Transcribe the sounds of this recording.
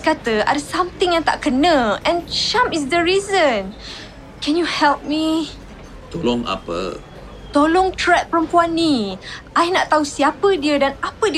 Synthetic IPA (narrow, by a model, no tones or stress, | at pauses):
kat̪əa̰dəsãmt̪ɪ̃ŋjaŋt̪a̰ʔkənə̃ɛ̃nʃãmis̬dəɹizə̃n | kɛnjuhɛlp̚mi | t̪olɔŋa̰pə̰ | t̪olɔŋt̪ɹɛt̪̚pəɾəmpuanːiʔajnaʔt̪ːausiapədiədanapədi